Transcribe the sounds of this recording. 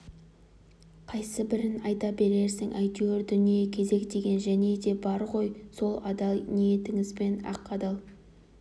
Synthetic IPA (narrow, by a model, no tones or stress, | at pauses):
qʰɑjsəbɪɾɪnɑjt̪ɑbe̞ɾe̞ɾsɪŋʔæjt̪ueɾd̪ʏnijekʲʰe̞ze̞kd̪e̞ɡʲe̞nʒæne̞d̪e̞bɑɾʁo̞jso̞lˠɑd̪ɑlˠnije̞t̪ɪŋɪzbe̞nɑ̰qːɑd̪ɑlˠ